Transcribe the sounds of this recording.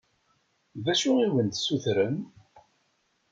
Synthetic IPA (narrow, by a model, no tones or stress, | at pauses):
ðæʃuiwənt̪suθɾəm